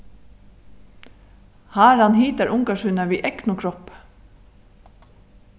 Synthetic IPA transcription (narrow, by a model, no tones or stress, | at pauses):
haːɾanɦiːt̪æɹʔʊŋkaʃʏːnaʋiːʔɛknʊkʰɾɔp